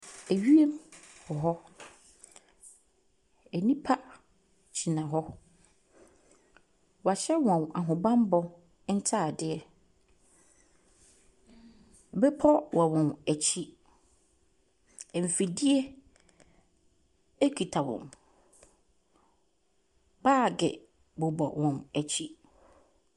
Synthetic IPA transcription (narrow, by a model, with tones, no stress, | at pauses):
æ˨ɥi˦e˦mbɔ˨ɦɔ˦ | ɛ˨nĩ˦pʰa˦ | t͡ɕʰi˨nã˨ɦɔ˦ | wa˨ɕɛ˦wɔ̃˨na˨ɦʊ̃˨bã˦m˦bɔ˦ | n̩˦tʰa˦˨dɪ˦ɛ˦˨ | bɛ˦pʰɔ˦wa˨wɔ̃˨næ˨t͡ɕʰi˦˨ | m̩˨fi˨di˦ɛ˦ | ɛ˦kʰi˨tʰa˨wɔ̰̃˨m | baː˦˨ɡɛ̰˨ | bɔ˨bɔ̰˨wɔ̃˨mæ˨t͡ɕʰi˦